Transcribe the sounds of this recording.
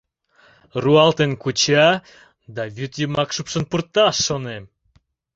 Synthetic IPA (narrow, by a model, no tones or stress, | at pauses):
ruɑlt̪enkut͡ɕɑ | d̪ɑβyt̪jəmɑkʃupʃə̆npurt̪ɑʃːonem